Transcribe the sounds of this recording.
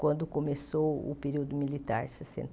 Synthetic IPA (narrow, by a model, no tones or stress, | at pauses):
kwɐ̃nd̪ʊkomesowʊ̰peɾiwd̪ʊmilit̪a̰ɾsesḛ̃n